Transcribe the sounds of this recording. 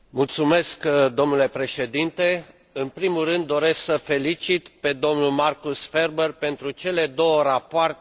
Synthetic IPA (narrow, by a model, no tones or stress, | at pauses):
mult̪sume̞skd̪o̞mnule̞pɾe̞ʃe̞d̪int̪e̞ | ɨnpɾimurɨnd̪ːo̞ɾe̞sksəfe̞lit͡ʃit̪pe̞d̪o̞mnulmarkusfe̞rberpe̞nt̪ɾut͡ʃe̞le̞d̪o̞wəɾapoart̪